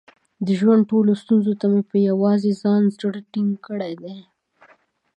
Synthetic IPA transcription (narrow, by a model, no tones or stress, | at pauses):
d̪əʒwand̪̚ʈolost̪unzot̪amepəjawɑzezɑnzɾəɽʈɪŋɡkəɽed̪e